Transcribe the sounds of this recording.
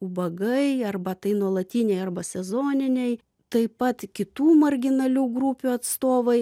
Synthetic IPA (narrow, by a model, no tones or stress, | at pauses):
ubɐɡɐɪɐrbɐt̪ɐɪnuɔlˠɐt̪ʲiːnʲɛɪɐrbɐsʲɛzoːnʲɪnʲɛɪ | t̪ɐɪpɐt̪kʲɪt̪uːmɐɾʲɡʲɪnɐlʲuːɡɾupʲuːɐt̪st̪oːʋɐɪ